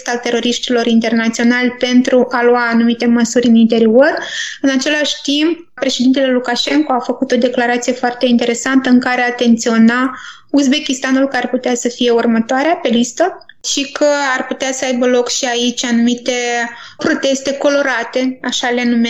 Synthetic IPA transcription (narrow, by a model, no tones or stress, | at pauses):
st̪alt̪e̞ɾo̞ɾiʃt̪ilo̞ɾint̪e̞rnat̪sio̞nalʲpe̞nt̪ɾuʔaluaːnumit̪e̞məsuɾʲɨnint̪e̞ɾio̞rɨnat͡ʃe̞laʃʲt̪imp̚ | pɾe̞ʃed̪int̪e̞le̞lukaʃe̞ŋko̞afəkut̪o̞d̪e̞klaɾat̪sije̞foart̪e̞int̪e̞ɾe̞sant̪əɨŋkaɾeat̪e̞nt̪sio̞na | uzbe̞kʲist̪anulkəarput̪easəfije̞urmət̪oaɾeape̞list̪ə | ʃikəarput̪easəajbəlo̞kʃiait͡ʃʲanumit̪e̞ | pɾo̞t̪e̞st̪e̞ko̞lo̞ɾat̪e̞aʃalenume